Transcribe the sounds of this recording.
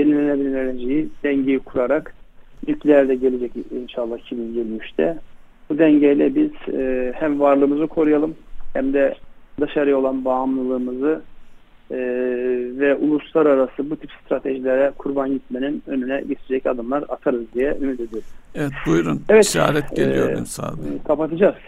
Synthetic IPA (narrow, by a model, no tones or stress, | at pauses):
jeninenɛbiɾineled͡ʒejid̪̥ɛɲɟejikʰuɾaɾaknyclʲeæɾd̪ɛɟelʲed͡ʒɛcinʃalˠːahicʰibinɟelʲmyʃt̪ʰɛ | bud̪ɛɲɟejlʲɛbiz̥hæmvaɾlˠɯːmɯzɯkʰo̞ɾujalˠɯmhæmd̪ɛd̪aʃaɾɯjo̞lˠanbaːmlˠɯlˠɯːmɯzɯ | vɛʔulˠuslˠaɾaɾasɯbut̪ʰipst̪ɾat̪ʰe̞ʒilʲeɾɛkʰuɾbanɟit̪̚meninø̞nynɛɟet̪ʰed͡ʒɛcad̪ɯmlˠaɾa̰t̪ʰaɾɯzd̪ijɛymyt̪ʰed̪ioɾuz̥evɛt̪̚bujɾunɛvɛt̪a̰ːɾɛt̪̚ɟeijo̰ḭnsa̰d̪kʰapat̪ʰɯd͡ʒaz̥